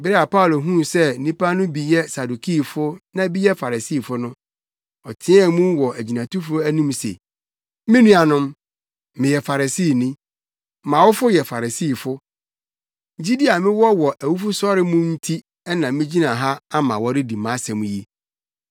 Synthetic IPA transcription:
bɪ˦ɾɛ˦a˨pa˦ʊ˨lo˨ɦũ˦sɛ˦nĩ˦pʰa˦nʊ̃˦bi˨jɛ˦sa˨du˨kʰi˦fʊ˦nã˦bi˦jɛ˦fa˨ɾa˨si˦˨fʊ˦nʊ̃˦ | ɔ˨tʰɪ̃˦ɛ˦˨mũ˦wɔ˨ʔæ˨d͡ʑi˨nã˨tʰu˦fʊ˦æ˦nĩ˦msḛ˨ | mɪ̃˦nũ˦a˨nʊ̃˦m | mɪ̃˨jɛ˨fa˨ɾa˨siː˦˨nĩ˦ | mã˨wʊ˦fʊ˦jɛ˨fa˨ɾa˨si˦˨fʊ˦˨ | d͡ʑi˦di˦a˨mɪ̃˦wɔ˦wɔ˨ʔæ˨wu˦fʊ˦sɔ˦ɾɪ˦mʊ̃˦n̩˦tʰi˦ | ɛ˦nã˨mɪ̃˦d͡ʑi˦nã˨ɦa˦a˦mã̰˨wɔ˨˦ɾɪ˦di˨mã˨˦sɛ̃˨mũ˦ji˦

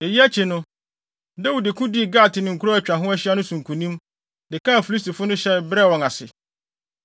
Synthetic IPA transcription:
e˨ji˦æ˦t͡ɕʰi˨nʊ̃˦ | da˦wu˨dɪ˨kʰʊ̃˦di˦˨ɡaː˦˨tɪ˨nɪ̃˨ŋ̩˨kʰu˦ɾɔ˦æ˨t͡ɕᶣã˨ɦʊ̃˦æ˦ɕi˦a˦nʊ̃˦sũ˨ŋ˨kʰũ˨nĩ˦m | dɪ˨kʰã˦˨fi˨li˦sti˨fʊ˦nʊ̃˦ɕɛ˦bɾɛ˦˨wɔ̃˨ŋa˨sɪ̰˨

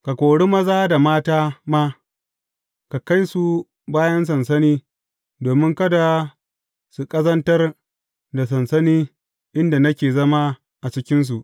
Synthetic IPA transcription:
ka˨kʷoː˨ɽi˦mɐ˦zaː˦da˨maː˦taː˦ma˦ | ka˨ka˦jsu˨ | baː˦jɐ˦ns̬ɐ˨nsɐ˦niː˦ | doː˨mɪ˦ŋkɐ˦da˨ | su˨kʼɐ˦zɐ˦ntɐ˦r | da˨s̬ɐ˨nsɐ˦niː˦ | ʔɪ˦nda˨nɐ˦kʲeː˨zɐ˦ma˦ | ʔa˨t͡ʃɪ˦kʲɪ˦ns̬u˨ʔ

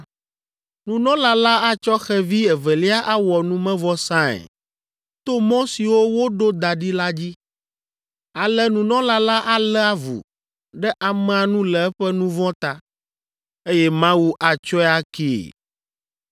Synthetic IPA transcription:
nũ˨nɔ̃˦la˨la˦a˦t͡ʃɔ˦xɛ˦vi˦ɛ˨vɛ˨li˦a˦ʔa˦wɔ˨nũ˦mɛ̃˦vɔ˦sã˦ɛ̰˨ | t̪o˦mɔ̃˦si˨wo˦wo˦ɖo˦d̪a˨ɖi˦la˦d͡ʑi˦ | a˨lɛ˦nũ˨nɔ̃˦la˨la˦ʔa˨lɛ˦a˦vṵ˨ | ɖɛ˦ʔa˨mɛ̃˨a˨nũ˦lɛ˨ɛ˦ɸɛ˦nũ˦vɔ̃˦t̪a˦ | e˦jɛ˦mã˦wu˦ʔa˨t͡ʃɔ˦ɛ˦a˦kḛ˦˨

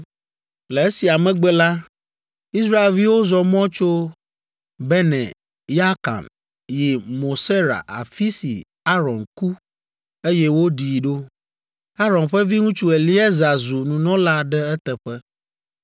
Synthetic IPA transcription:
lɛ˨e˦si˨a˨mɛ̃˦ɡ͡bɛ˦la˦ | i˦sɾa˦e˨lvi˦wo˦zɔ˨mɔ̃˦t͡ʃo˦ | bɛ˦nɛ̰̃˨ | ja˦ka̰˨n | ji˨mo˨se˦ɾa̰˨ʔa̰˨fi˦sḭ˨ | a˦ɾɔ˨nku˦ | e˦jɛ˦wo˦ɖi˨ɖo˦ | a˦ɾɔ̃˨nɸɛ˦vi˦ŋũ˦t͡ʃu˦ɛ˨li˦ɛ˦za˨zu˨nũ˨nɔ̃˦la˦ɖɛ˦ɛ˦t̪ɛ˨ɸɛ˦

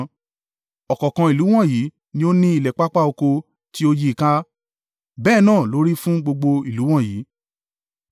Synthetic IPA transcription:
ɔ˨kɔ˨kã˧i˨lu˨˦w̃ɔ̃˦˨ji˨˦ | nĩ˦o˦nĩ˦i˦˨lɛ˨k͡pa˦k͡pa˦o˧ko˧ | ti˦o˦ji˦i˨ka˦ | bɛː˦˨nãː˦˨lo˨˦ɾi˦fũ˦ɡ͡bo˧ɡ͡bo˧i˨lu˨˦w̃ɔ̃˦˨jiː˨˦

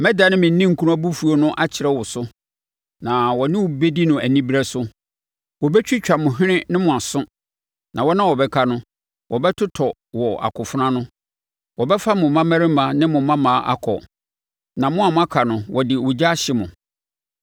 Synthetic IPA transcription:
mɛ˦da˨nɪ̃˦mɪ̃˨n˦nĩ˦ŋ̩˨kʰu˦ɾa˦bu˦fu˨˦o˦nʊ̃˦ʔa˦t͡ɕʰɪ˨ɾɛ˦wɔ˨sʊ˦ | nã˨wɔ˨nɪ̃˦wʊ˨be˦di˦nʊ̃˨ʔæ˨nĩ˦bi˦ɾɛ˦sʊ˦ | wɔ˨bɛ˦t͡ɕᶣi˦t͡ɕᶣa˨mʊ̃˨ɦɪ̃˦nɪ̃˦nɪ̃˦mʊ̃˨a˨sʊ̃˦ | nʔã˨wɔ˦nã˦wɔ˨bɛ˦kʰa˨nʊ̃˦ | wʔɔ˨bɛ˦tʰʊ˦tʰɔ˨ | wɔ˨ʔa̰˨kʰʊ˨fʊ˦nã˦nʊ̃˦ | wɔ˨bɛ˦fa˦mʊ̃˨mã˦mæ˦ɾɪ̃˦mã˨˦nɪ̃˦mʊ̃˨mã˦mãː˨˦ʔa̰˦kʰɔ̰˨ | nã˨mʊ̃˦a˨mʊ̃˦a˦kʰa˨nʊ̃˨wɔ˨dɪ˨wʊ˨d͡ʑa˦ɕɪ˨mʊ̃˨

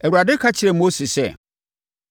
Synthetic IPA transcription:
æ˨wu˨ɾa˨dɪ˦kʰa˦t͡ɕʰɪ˨ɾɛ˨mo˦se˨sɛ̰˦˨

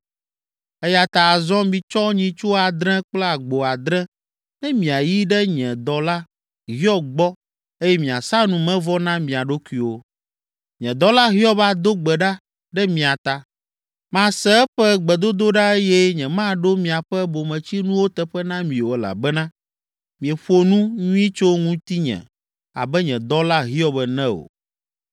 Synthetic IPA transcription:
ɛ˦ja˨t̪a˨zɔ̃˦mĩ˨t͡ʃɔ˦ɲĩ˨t͡ʃo˦a˨d̪ɾɛ̃˦k͡plɛ˦a˨ɡ͡bo˨a˨d̪ɾɛ̃˦ | nɛ̃˦mĩ˨a˨ji˦ɖɛ˦ɲɛ̃˨d̪ɔ˨la˦ | ɦi˦ɔ˦ɡ͡bɔ˦ | e˦jɛ˦mĩ˨a̰˨sa˦nũ˨mɛ̃˦vɔ˦nã˦mĩ˨a˨ɖo˦ku˦i˨wo˨ | ɲɛ̃˨d̪ɔ˨la˦ɦi˦ɔ˦βa˦d̪o˦ɡ͡bɛ˨ɖa˦ | ɖɛ˦mĩ˨a˨t̪a˨ | mã˨sɛ˦ɛ˦ɸɛ˦ɡ͡bɛ˨d̪o˦d̪o˦ɖa˦e˦jɛ˦ɲɛ̃˨mã˦ɖo˦mĩ˨a˨ɸɛ˦bo˨mɛ̃˨t͡ɕi˦nũ˦wo˦t̪ɛ˦ɸɛ˦nã˦mĩ˨o˨ɛ˨la̰˨bɛ˦nã˦ | mĩ˨ɛ˨ɸo˦nũ˦ɲũ˦i˦t͡ʃo˦ŋũ˦t̪i˦ɲɛ̰̃˨ | a̰˨bɛ˦ɲɛ̃˨d̪ɔ˦la˦ɦi˦ɔ˦bɛ˨nɛ̃˦o̰˨

